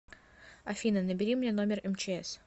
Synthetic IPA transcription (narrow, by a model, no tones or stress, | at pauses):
ɐfʲinənəbʲɪɾʲimnʲeno̞mʲɪrɛmt͡ɕɪɛs